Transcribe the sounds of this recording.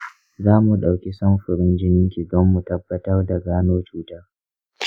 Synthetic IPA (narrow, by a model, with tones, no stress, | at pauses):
zaː˦mu˨ɗa˨wkʲi˦sɐ˦mɸɪ˨ɾɪ˦nd͡ʒɪ˦nɪ˦ŋkʲi˨dɔ˦mːu˨tɐ˦bːɐ˦tɐ˦rda˨ɡaː˦noː˦t͡ʃuː˦ta˦r